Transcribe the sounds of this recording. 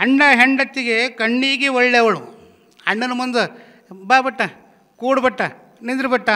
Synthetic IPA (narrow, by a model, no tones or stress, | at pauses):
ɦɐɳɖɐɦeɳɖɐt̪ːiɡekɐɳːiːɡeɔɭːeʋɐɭu | ɐɳːɐnɐmund̪ɐ | baːbɐʈːɐ | kuːɽbɐʈːɐ | nind̪ɾɐbɐʈːɐ